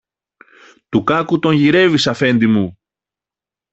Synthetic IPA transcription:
t̪ukɐkut̪o̞ɲʝiɾe̞visɐfe̞nd̪imu

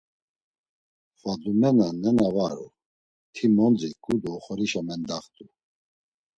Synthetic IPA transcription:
fad̪umɛnanɛnavaɾṵ | t̪ʰimɔnd͡zikʰʼud̪uːχɔɾiʃamɛnd̪aχt̪ʼu

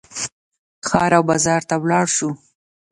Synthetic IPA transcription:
xɑɾawbɑzɑɾt̪awlɑɽʃu

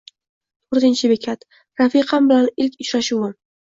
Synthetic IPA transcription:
t̪ʰoɾt̪ɪnt͡ʃʰɪbekʲʰat̪ | ɾafiqʰɑnbɪlanɪlkʲɪt͡ʃɾaʃuwɪ

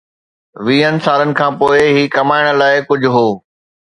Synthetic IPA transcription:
ʋiːənɪ̆saːɾənɪ̆kʰãːpoːɪɦiːkɐmaːɪɽ̃̆laːɪkʊd͡ʑʱʊɦoː

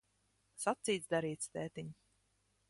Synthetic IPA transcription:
sat̪siːt̪sd̪aɾiːt̪st̪ɛːt̪iɲu

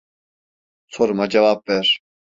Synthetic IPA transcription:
sʰoɾumad͡ʒevap̚vɛɾ̥

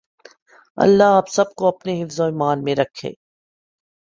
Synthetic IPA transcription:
ɐ̰lːaɦaːpsɐb̚koɐpneɦɪfzoiːmaːnmẽɾɐkʰːḛː

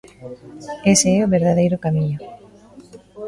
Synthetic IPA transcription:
eseɛoβeɾðaðejɾʊkamiɲʊ

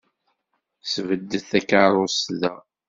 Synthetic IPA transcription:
svəd̪ːəθækaɾˤʊsðæ

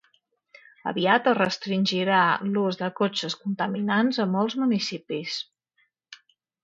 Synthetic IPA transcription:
ə̰βiat̪ərəst̪ɾinʲʒiɾaluzðəkot͡ʃəskunt̪əminanzəmɔlˠzmunisipis

